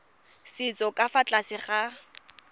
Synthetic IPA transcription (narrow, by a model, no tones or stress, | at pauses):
sɪt͡sʼɔkʼafat͡ɬʼasɪχa